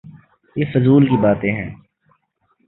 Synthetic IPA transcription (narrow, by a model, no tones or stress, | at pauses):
jeːfʊzuːlkibaːt̪ẽɦɛ̰̃ː